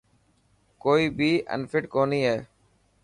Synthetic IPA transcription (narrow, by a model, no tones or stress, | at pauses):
koːiːbʱiːʔə̰̃nfɪʈkoːnĩːɦeː